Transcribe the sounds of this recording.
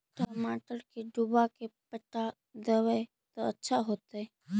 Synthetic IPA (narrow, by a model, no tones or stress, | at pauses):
ʈɐmaːʈəɾkeɖubakepɐʈːa | d̪əʋe | t̪oɐtːʃʰaɦoːt̪aɦɛ